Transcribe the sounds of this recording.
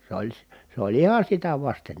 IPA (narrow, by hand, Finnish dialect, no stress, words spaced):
s olʲ si se olʲ ihɑ sitæ ʋɑsten